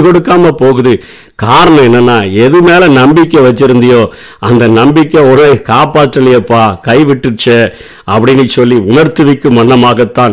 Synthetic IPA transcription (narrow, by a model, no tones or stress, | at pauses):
kɔɽɯkːaːmɐpoːɣɯðɯ | kaːɾɐɳɐ̃ɛnːɐnːaːɛðɯmeːlɐnɐmbɪkːɛʋɐt͡ʃːɪɾɯnd̪ɐjoː | ɐnd̪ɐnɐmbɪkːeɔnɐkaːpaːʈɾɐlɪjɐpːaːkɐɪʋɪʈːɯt͡ʃːɐ | ɐpːɐɽɪnːɯsɔlːiʊnɐɾt̪ɯʋɪkːɯmɐnːɐmaːɣɐt̪ːãː